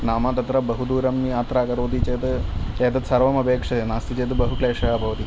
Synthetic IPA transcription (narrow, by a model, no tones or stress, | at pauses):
naːmaːt̪ɐt̪ɾɐbɐɦud̪uːɾɐmːiaːt̪ɾaːkɐɾoːd̪it͡ʃeːt̪ɨeːt̪ɐt̪sɐɾʋɐmɐbeːkʂɐt̪enaːst̪it͡ʃeːt̪ɨbɐɦukɭeːʂɐjaːbʱɐʋɐt̪i